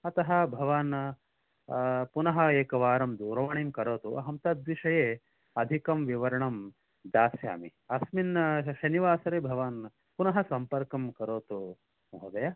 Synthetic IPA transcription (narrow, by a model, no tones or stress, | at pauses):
ɐt̪ɐɦɐbʱɐʋaːn | punɐɦɐeːkɐʋaːɾɐmd̪uːɾɐʋɐɳeːmkɐɾoːt̪uʔɐ̰ɦɐmt̪ɐd̪ʋiʂɐjeː | ɐd̪ʱikɐmʋiʋɐɾɐɳɐm | d̪aːsja̰ːmiɐsminʃɐniʋaːsɐɾeːbʱɐʋaːn | punɐɦɐsɐmpɐɾkɐmkɐɾoːt̪u | ɦod̪ɐjaː